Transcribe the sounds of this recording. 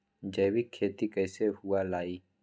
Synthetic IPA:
d͡ʒəːwikʰːeːt̪ikəːsehʊalaːiː

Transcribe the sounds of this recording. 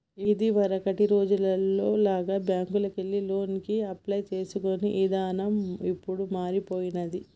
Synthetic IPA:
id̪iʋɐɾɐkɐʈiɾo̞ːd͡ʒulɐlːo̞ːlaːɡaːbjaːŋkulɐkelːilo̞ːnkiɐplɐjt͡ʃe̞ːsukoniʔid̪aːnɐmipːuɽumaːɾipoːjinɐd̪i

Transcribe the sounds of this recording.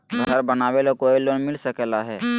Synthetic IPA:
ɡʱəɾbənaːwelokoiloːnmɪlsəkɛlaɦɛː

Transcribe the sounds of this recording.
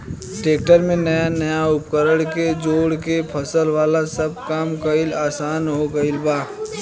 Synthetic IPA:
ʈeːk̚ʈəɾmẽnəjanɐjaʊpkəɾəɽked͡ʒoːɽkepʰɐsəlʋaːlasɐb̚kaːmkəɪlaːsaːnɦoɡɐɪlbaː

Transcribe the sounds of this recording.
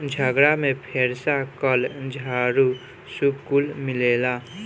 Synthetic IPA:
d͡ʒʱəɡɾamẽpʰeːɾsakəld͡ʒʱaːɾu | subkʊlmɪleːlaː

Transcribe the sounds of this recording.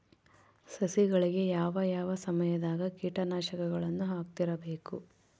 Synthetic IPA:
sɐsiɡɐɭiɡe̞jaːʋɐjaːʋɐsɐmɐjɐd̪aːɡɐkiːʈɐnaːʃɐkɐɡɐɭɐnːuɦaːk̚t̪iɾɐbe̞ːku

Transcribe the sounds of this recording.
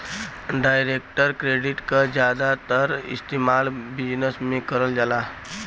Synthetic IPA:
ɖajɾekʈəɾkɾeɖiʈkad͡ʒjad̪at̪əɾḭst̪imalbid͡ʒnəsmekəɾəld͡ʒala

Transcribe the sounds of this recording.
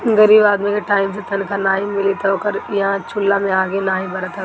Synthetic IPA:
ɡɐɾiːbaːd̪mikʰeʈaːɪms̬et̪ʰɐnkʰãnaːɦĩmɪlit̪ʰoːkəɾjɦãt͡ʃʰʊlːamẽaːɡenaːɦĩbɐɾət̪ʰɐ

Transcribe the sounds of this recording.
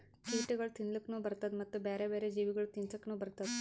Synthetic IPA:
t͡ʃiːʈiɡɐɭut̪inlikːnuːbɐɾt̪ɐd̪mɐt̪ːubeːɾeːbeːɾed͡ʒiːʋiɡɐɭut̪insɐkːnuːbɐɾt̪ɐd̪

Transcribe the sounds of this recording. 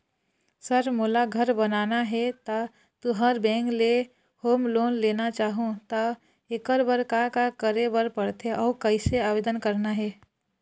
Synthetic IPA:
səɾmolaɡʱəɾbənanaɦɛt̪ə | t̪uɦəɾbɛ̃ŋkle | hoːmloːnlenat͡ʃaːɦũt̪ə | ekəɾbəɾkakakəɾebəɾpəɽt̪ʰeʔɔːkəɪseabed̪ənkəɾnaɦɛ

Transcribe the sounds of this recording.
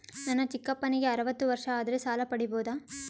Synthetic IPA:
nɐnːɐt͡ʃikːɐpːɐniɡe̞ɐɾɐʋɐt̪ːuʋɐɾʂɐaːd̪ɐɾesaːlɐpɐɽiboːd̪aː

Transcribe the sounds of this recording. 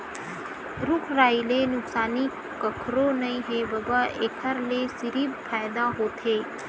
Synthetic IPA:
ɾʊkʰɾaːilenʊksaːnikːəkʰɾonɐĩɦebəbəekʰəɾlesiɾiːbpʰaːjd̪aɦoːt̪ɦeː

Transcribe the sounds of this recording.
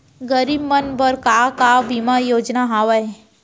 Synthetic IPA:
ɡəɾiːbmənbəɾkakabimajoːd͡ʒnaɦaːʋae

